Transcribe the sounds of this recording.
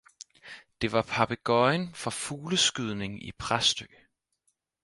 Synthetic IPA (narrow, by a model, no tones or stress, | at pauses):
d̥e̝ʋɑ̈pʰɑ̈pʰeɡ̥ɒɪnfɒ̽fuːləsɡ̥yð̞ˠne̝ŋḭpʰʁasd̥ø̰ː